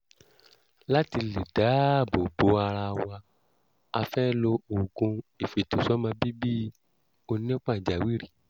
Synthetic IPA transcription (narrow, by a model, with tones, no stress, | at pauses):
la˦ti˧li˨da˨˦˨bo˨bo˨˦a˧ɾa˧wa˧ | a˧fɛ˦lo˧o˨ɡũ˧i˨fe˨to˨sɔ˦mã˧bi˦bi˦ | o˧nĩ˦o˦k͡pã˦˨d͡ʒa˨wi˦ɾi˦˨